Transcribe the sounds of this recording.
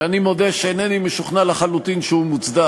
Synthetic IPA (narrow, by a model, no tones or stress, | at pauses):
animo̞d̪eʃeeːnenimeʃuχnalaχalut̪inʃeumut͡sd̪a